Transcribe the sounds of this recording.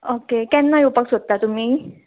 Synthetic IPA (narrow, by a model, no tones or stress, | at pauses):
okekɛnːajopaksot̪t̪ːat̪um̤iː